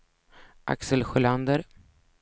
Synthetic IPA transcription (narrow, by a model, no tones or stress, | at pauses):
ʔa̰ksəlɧʊland̪əɾ